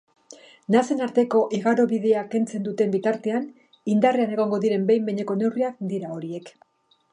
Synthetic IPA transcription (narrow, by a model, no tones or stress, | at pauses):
nase̞naɾt̪e̞ko̞ʔiɣaɾo̞βiðe̞ake̞nt͡se̞nd̪ut̪e̞mbit̪aɾt̪e̞an | ind̪areane̞ɣ̞o̞ŋɡo̞ðiɾe̞mbe̞jmbe̞ɲe̞ko̞ne̞wriakd̪iɾao̞ɾie̞k